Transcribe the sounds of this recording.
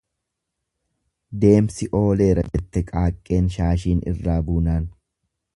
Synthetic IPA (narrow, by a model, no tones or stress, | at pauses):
d̪e̞ːmsɪʔo̞ːle̞ːɾɐ̰d͡ʒɛt̪ːɛkʼaːkʼːe̞ːnʃaːʃiːnʔɪ̰rːaːbuːnaːn